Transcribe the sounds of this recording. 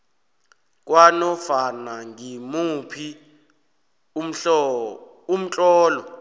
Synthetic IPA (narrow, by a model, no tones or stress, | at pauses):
k̬ʼwanɔfanaŋʱimupʰi | m̩ɬ | um̩t͡ɬʼɔːlɔ